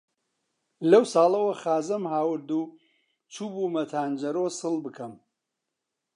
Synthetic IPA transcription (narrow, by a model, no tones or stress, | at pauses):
lɐwsɑːlˠɐwɐxaːzɐmhaːwɨɾd̪uː | t͡ʃʰuːbumɐt̪ʰaːnd͡ʒɐɾosɨlˠbɨkʰɐm